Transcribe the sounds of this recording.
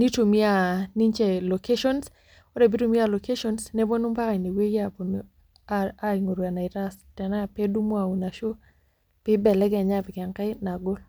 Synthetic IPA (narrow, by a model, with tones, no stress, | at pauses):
ni˦to˨mi˦a˨ni˦ɲt͡ʃɛ˨lo˨ke˦ʃɔ˦ns | ɔ˦dɛ˨bi˦to˦mi˦a˨lo˨ke˦ʃɔ˦nsnɛ˦bo˦nu˦mpa˦ka˨ne˨we˦ja˨bo˨n | a˦i˨ŋo˨ɾwa˨na˨ɪ˨ɾa˦stɛ˨na˦˨pe˦du˦mo˦a˨u˨na˨ʃo˦ | pɪ˦bɛ˨lɛ˦ɡɛ˨ɲa˦pɪ˨kɛ˨ŋka˦ɪ˦na˨ɡʊ˦l